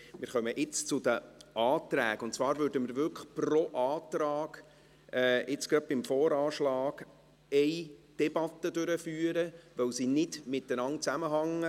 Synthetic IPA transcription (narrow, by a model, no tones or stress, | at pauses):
mɪːɾχœməʔɪt͡st͡sʊd̥̪əʔɑːt̪ɾæːkʊntt͡svɑːɾvʉɾdəmɪɾvʏlkprɔʔɑːt̪ɾɑːɡ | ɛɪt͡skɾɑd̪̚b̥ɪmfɔːɾɑːʃlɑːɡ̥ | ɛɪd̥ɛbɑt̪ːədøɾəfyːəɾəʋœwsinɪdmɪt̪ənɑnt͡sæməɦɑŋːə